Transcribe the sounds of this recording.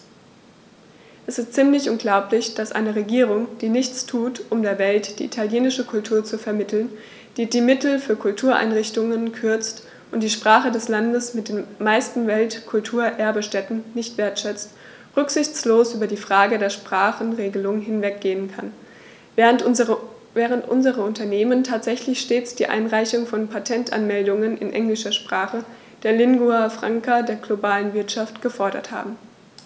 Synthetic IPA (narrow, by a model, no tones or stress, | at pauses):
ʔɛsɪstt͡siːmlɪçʔʊnɡlaʊplɪçd̥asʔa̰ɪnəʁeɡiːʁ̞ʊŋd̥iːnɪçt͡stʰuːtʔʊmdeːɐvɛltd̥ḭːʔitʰaljeːnɪʃəkʰʊltʰuːɐt͡sufɛɐmɪtʰl̩n | d̥iːdiːmɪtl̩fyːɐkʰʊltʰuːɐʔa̰ɪnʁɪçtʊŋənkʰʏɐt͡st | ʔʊntd̥iːʃpʁ̥aːχədɛslandəsmɪt̚d̥eːmaɪstn̩vɛltkʰʊltʰuːɐʔɛɐbəʃtɛtn̩nɪçtv̥eːɐtʃɛt͡st | ʁʏkz̥ɪçt͡sloːsʔyːbɐdiːfʁ̥aːɡədeːɐʃpʁ̥aːχn̩ʁeːɡəlʊŋɦɪnvɛk̚ɡ̥eːənkʰan | vɛːʁəntʔʊ̰nzəʁəʊntɐneːməntʰaːtz̥ɛçlɪçʃteːt͡sd̥iːʔa̰ɪnʁaɪçʊŋfɔnpʰatʰɛntʔa̰nmɛldʊŋənɪ̰nʔɛ̰ŋlɪʃɐʃpʁ̥aːχə | d̥eːɐlɪŋɡuafʁ̥aŋkadeːɐɡlobaːlənvɪɐtʃaftɡ̥əfɔɐɾɐ̰tha̰ːbm̩